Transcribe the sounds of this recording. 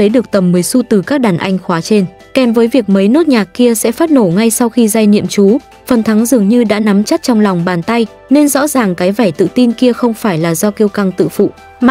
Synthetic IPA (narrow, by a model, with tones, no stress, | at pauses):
ə˨˦jɗɨ˨˩ək̚t̪ə˨˩mmɨː˨˦jsu˧t̪ɨ˨˩kaː˦˥k̚ɗaː˨˩nʔa˧jŋ̟xwaː˨˦t͡ɕe˧n | kɛ˨˦mvəː˨˦jvi˨˩ək̚mə˨˦jnɨ˦˥t̚ɲaː˨˩kki˧əsɛ̰˧˥faː˦˥t̚no˧˩ŋa˧jsa˧wxi˧zaː˧jnḭ˧˨əmt͡ɕu˨˦ | fə˨˩nt̪ʰa˨˦ŋzɨ˨˩əŋɲɨ˧ɗa̰ː˧˥na˨˦mt͡ɕə˦˥t̚t͡ɕɔ˧wŋ͡mla˨˩wŋ͡mɓaː˨˩nt̪a˧j | ne˧nzɔ̰˧˥zaː˨˩ŋkaː˨˦jva˧˩jt̪ɨ̰˧˨t̪i˧nki˧əxə˧wŋ͡mfaː˧˩jlaː˨˩zɔ˧ki˧əwka˧ŋt̪ɨ̰˧˨fṵ˧˨